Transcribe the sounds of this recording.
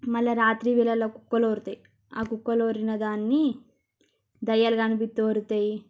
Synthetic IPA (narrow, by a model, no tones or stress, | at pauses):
mɐlːɐɾaːt̪ɾiʋilɐlːoːkukːɐloːɾut̪ɐji | a̰ːkukːɐloːɾinɐd̪aːnːi | d̪ɐjːɐlɡaːnupit̪ːuːɾut̪ɐji